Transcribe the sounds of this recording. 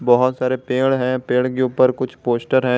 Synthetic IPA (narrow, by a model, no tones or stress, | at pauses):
bɔɦʊt̪saːɾepeːɽɦɛ̃peːɽkeuːpəɾkʊt͡ʃʰpoːsʈəɾɦɛ̃